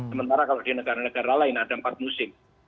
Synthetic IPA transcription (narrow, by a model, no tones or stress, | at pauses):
səmənt̪aɾakalod̥inəɡaɾanəɡ̥aɾalaɪnadaəmpat̪̚musɪm